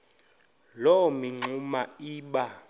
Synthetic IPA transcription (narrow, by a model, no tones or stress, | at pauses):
lɔmiŋ͡ǀʱumaiːɓa